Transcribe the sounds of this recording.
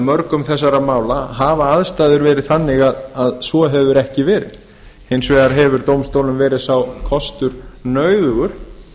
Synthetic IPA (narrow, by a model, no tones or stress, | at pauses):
mœɾkʏmθɛsːaɾamaːwlaɦaːvaaðst̪aːðʏɾvɛːɾɪðθanːɪɣaðaðsvɔɦɛvʏɾɛhcɪvɛːɾɪ̰ | hejnsvɛːɣaɾɦɛvʏɾt̪owmst̪owlʏmvɛːɾɪðsawkʰɔst̪ʏɾ̥nœːɥðʏɣʏɾ̥